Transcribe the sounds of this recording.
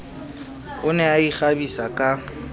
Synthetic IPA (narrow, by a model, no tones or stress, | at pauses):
ʊnɛaiχabisakʼa